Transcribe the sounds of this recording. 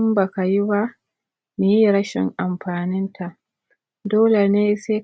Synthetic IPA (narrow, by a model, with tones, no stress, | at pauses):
mba˨ka˨ji˦ba˦ | me˨ji˦ɾɐ˦ʃɪ̰˨ŋʔa˨mɸaː˨nɪ˦ntʰa˨ʔ | doː˦le˨neː˦se˦